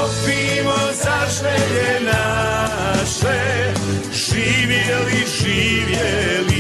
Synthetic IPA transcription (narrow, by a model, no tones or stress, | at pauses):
pimozaʃɛɲɛna | ʃɛ | ʒ̥iːʋjɛliʒiʋjɛli